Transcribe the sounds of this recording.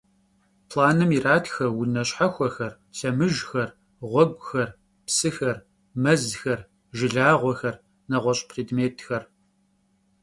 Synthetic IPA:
pʰlaːnɨmiraːtʰxɐwʊnɐɕħaxʷɔxɐr | ɬɐmɨʒxɐr | ʁʷɔɡʷxɐr | psɨxɐr | mɐzxɐr | ʒɪɮaːʁʷɔxɐr | nɐʁʷɔɕʼpʰreːdmeːtʰxɐr

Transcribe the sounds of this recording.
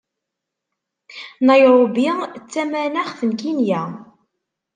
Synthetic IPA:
nɑjɾˤobit͡sːæmænaχθənkinjæ

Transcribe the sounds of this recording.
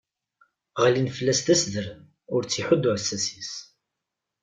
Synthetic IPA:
ʁlinfəlːæst̪æsðəɾ | ʊɾt͡sːiħʊd̪ːʊʕəsːæsis

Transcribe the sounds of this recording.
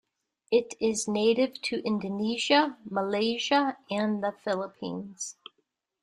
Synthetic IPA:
ɪɾɪzneɪɾɪv̥tʰɨʔɪ̃ndɨniʒəməleɪʒəɨ̃nðəfɪlˠəpʰḭ̃nz̥

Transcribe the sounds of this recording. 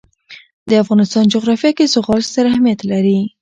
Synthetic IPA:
d̪əafɣɑnɪst̪ɑnd͡ʒʊɣɾɑfjɑkezʊɣɑlst̪aɾahmijat̪laɾi

